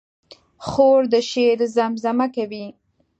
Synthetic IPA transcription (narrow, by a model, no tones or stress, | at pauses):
xoɾd̪əʃeɾzamzamakawi